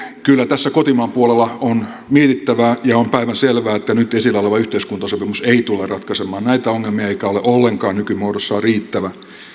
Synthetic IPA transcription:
kylːæt̪æsːækot̪imɑːmpuolelːɑon | miet̪it̪ːæʋæjɑompæiʋænselʋæːet̪ːænyt̪esilːæoleʋɑyht̪eiskunt̪ɑsopimuseit̪ulerɑt̪kɑsemˑɑːnnæit̪æoŋːelmiɑeikæoleʔolːeŋkɑːnykymuoːɾosːɑriːt̪ːæʋæ

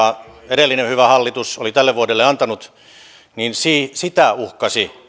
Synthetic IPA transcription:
ɑeɾelːinehyʋæhɑlːit̪usolit̪ælːeʋʋuodelːeɑnt̪ɑnut̪ | ninsiːsit̪æuhkɑsi

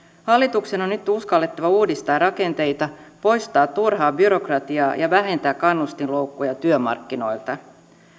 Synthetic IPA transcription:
hɑlːit̪ukseno̞nːyt̪uskɑlːet̪ːɑʋɑuːdist̪ɑːrrɑke̞nt̪e̞jt̪ɑpo̞jst̪ɑːt̪ːurhɑːbyɾo̞krɑt̪iɑːjɑʋæɦe̞nt̪æːkkːɑnːust̪inlo̞wkːujɑt̪yømɑ̰rkːino̞̰jlt̪ɑ

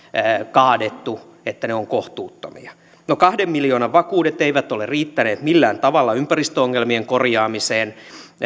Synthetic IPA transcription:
kɑːdet̪ːu | et̪ːæneoŋkoht̪uːt̪ːo̰mḭɑ | nokɑhdemːiljoːnɑʋʋɑkuːdet̪eiʋæt̪olerriːt̪ːæneːt̪milːæːnt̪ɑʋɑlːɑympærist̪øoŋːelmieŋkorjɑːmiseːn

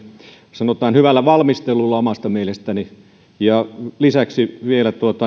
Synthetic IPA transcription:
sɑnot̪ɑːnhyʋælːæʋɑlmist̪elulːɑomɑst̪ɑmielest̪æni | jɑlisæksiʋielæt̪uot̪ɑ

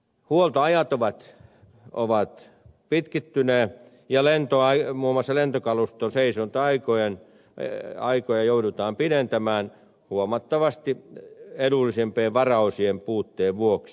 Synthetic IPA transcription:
huolt̪oɑjɑt̪oʋɑt̪ | ʔo̰ʋɑt̪ | pit̪kit̪ːyne | jɑlent̪oɑimuːmŏɑsːɑlent̪okɑlust̪onseisont̪ɑikojen | ɑikojɑjoudut̪ɑːmpinent̪æmæːn | huomɑt̪ːɑʋɑst̪ieɾulːˑisempeːʋʋɑrɑusiempuːt̪ːeːʋʋuoks

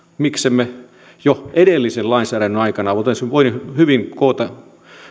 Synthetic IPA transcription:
miksemːe | joedelːisellɑinsæːɾænyɑikɑnɑʋot̪ensmʋoinhyʋiŋkoːt̪ɑ

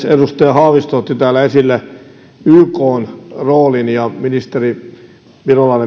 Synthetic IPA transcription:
sedust̪ɑjɑhɑːʋist̪ot̪ːit̪æːlːæesilːæ | yːkoːnroːlinjɑminist̪eri | ʋirolɑine

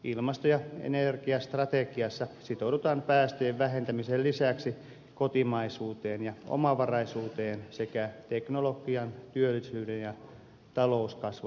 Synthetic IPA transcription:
ilmɑst̪ojɑḛnerkiɑst̪rɑt̪ekiɑsːɑsit̪oudut̪ɑːmpæːst̪øeʋʋæɦent̪æmisellisæksi | kot̪imɑisuːt̪eːnjɑo̰mɑʋɑrɑisuːt̪eːnsekæt̪eknolokiɑnt̪yølːisyːdenjɑ | t̪ɑlouskɑsʋu

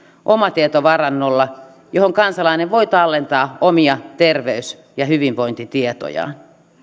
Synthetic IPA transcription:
ʔomɑt̪iet̪oʋɑrɑnːolːɑ | johoŋkɑnsɑlɑineʋʋoit̪ɑlːent̪ɑːomiɑt̪erʋeys | jɑhyʋinʋoint̪it̪iet̪o̰jɑ̰ːn

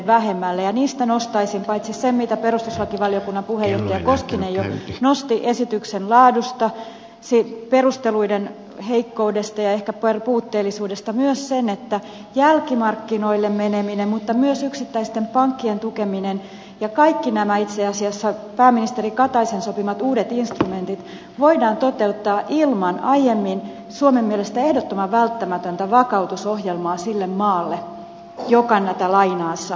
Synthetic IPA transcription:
ʋæhemːælːejɑniːst̪ænost̪ɑisimpɑit̪sissemmit̪æperust̪usʋɑkiʋɑliokunːɑmpuhejoht̪ɑjɑkoskinejonost̪iʔesit̪yksenlɑːdust̪ɑ | siperust̪eluiden | heikːoudest̪ɑjɑehkæperpuːt̪ːeːlːisuːdest̪ɑmyøssenet̪ːæ | jælkimɑrkːinoilːemmeneminemmut̪ːɑmyøsyksit̪ːæist̪empɑŋkːient̪ukeminen | jɑkɑikːinæmæit̪seɑsiɑsːɑpæːmːinist̪eɾikɑt̪ɑisensopimɑt̪uːdet̪inst̪rument̪it̪ | ʋoidɑːnt̪ot̪e̞ut̪ːɑːʔilmɑnɑjemːin | suomemːielest̪æe̞hdot̪ːomɑʋʋælt̪ːæmæt̪ønt̪æʋɑkɑut̪usohjelmɑːsilːemmɑːlːe | jokɑnːæt̪ælɑinɑːsːɑ

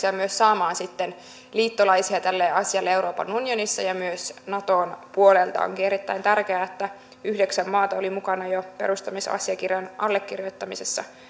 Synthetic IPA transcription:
iɑmyøsːɑːmɑːnsit̪ːen | liːt̪ːolɑisiɑt̪ælːeːɑsiɑlːeewɾo̞ːpɑ̰nunjonisːɑjɑmyøsnɑt̪o̞ːnpuolelt̪ɑ̰o̰ŋkieɾit̪ːæint̪ærkeæːet̪ːæ | yhdeksæmːɑːt̪ɑolimukɑnɑjope̞̰ɾust̪ɑmisɑ̰siɑkirjɑnʔɑlːekːirjot̪ːɑmisesːɑ

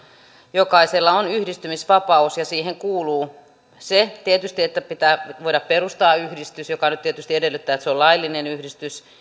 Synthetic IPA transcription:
jokɑiselːɑonyhdist̪ymisʋɑpɑusjɑsiːheŋkuːluː | set̪iet̪yst̪iet̪ːæpit̪æːʋoiɾɑpperust̪ɑːyhdist̪ysjokɑnyt̪t̪iet̪yst̪iedelːˑyt̪ːæːet̪seolɑilːinenyhdist̪ys

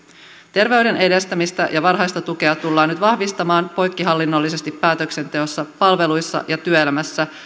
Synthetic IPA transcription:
t̪e̞rʋe̞yde̞ne̞de̞st̪æmist̪æ̰jɑʋɑrɦɑjst̪ɑt̪uk̟e̞ɑt̪ulːɑːnyt̪ʋɑhʋist̪ɑmɑːnpo̞jkːiɦɑlːinːo̞lːise̞st̪ipːæːt̪ø̞kse̞nt̪e̞o̞sːɑpɑlʋe̞lujsːɑ̰ʔjɑt̪yøelæmæsːæ

